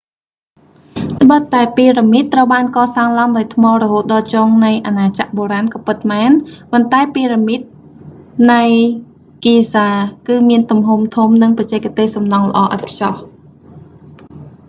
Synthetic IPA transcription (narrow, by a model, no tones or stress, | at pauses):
t̪ʰɓət̪ːaɛpiːramit̪ːrəwɓaːnkɑːsaːŋlaəŋɗaɔjt̪ʰmɑːrɔɦoːt̪̚ɗɑːt͡ɕɔːŋnɨjʔanaːt͡ɕa̰ʔɓoːɾaːnkɑːpɨt̪̚maːnpont̪aɛpiːɾamit̪̚ | nɨj | kiːsaːkɨːmiənt̪umɦumt̪ʰumnɨŋprɑt͡ɕɛːkt̪eːhsɑmnɑŋlə̰̆ʔɑːʔa̰t̪̚pʰjɑh